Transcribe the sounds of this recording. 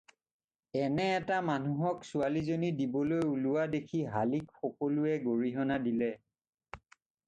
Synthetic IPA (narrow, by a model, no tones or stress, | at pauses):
ɛnɛːtamanuɦɔksualizonidibɔlojulʊwadekʰiɦalikxɔkolʊɛɡoɹiɦɔnadilɛ